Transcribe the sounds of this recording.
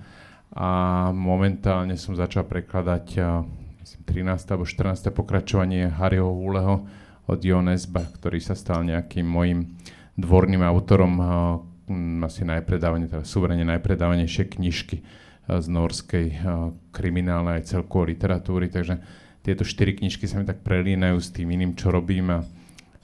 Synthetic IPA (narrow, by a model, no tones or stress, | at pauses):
ʔamɔmɛnt̪aːlɲɛsɔmzat͡ʃalpɾɛklad̪acmisimt̪ɾinaːst̪ɛalɛbɔʃt̪r̩naːst̪ɛːpɔkɾat͡ʃɔʋaɲɪɛɦaɾʔiɦɔɦulɛɦɔ | ɔ̰d̪jɔnɛzbakt̪ɔɾiːsast̪alɲɛakiːmːɔjim | d̪ʋɔɾniːmaʊt̪ɔɾɔm | asinajpɾɛd̪aːʋaɲɛt̪ɛd̪asuʋɛɾɛɲɲɛnajpɾɛd̪aːʋaɲɛjʃɪɛkɲiʃki | znɔɾskɛjkɾiminaːlnɛajt͡sɛlkɔʋɔlit̪ɛɾat̪uːɾit̪aɡʒɛ | t̪ɪɛt̪ɔʃt̪iɾikɲiʃkisamit̪ak̚pɾɛliːnajuːst̪iːminiːmt͡ʃɔɾɔbiːma